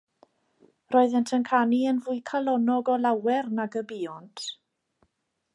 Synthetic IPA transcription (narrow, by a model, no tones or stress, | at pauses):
rɔːɨðɛntʰənkʰaniənvʊɨkʰalˠɔnɔɡɔlawɛrnaɡəbiːɔntʰ